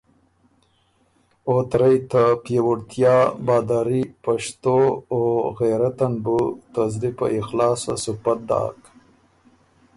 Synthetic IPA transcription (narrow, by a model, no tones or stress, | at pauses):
ot̪ɾajt̪apjewuɽt̪jɑːbɑːd̪aɾipaʂt̪ooɣeːɾat̪anbut̪azd̪ipa̰ʔɪxlɑːsa̰supat̪̚d̪ɑ̰ːk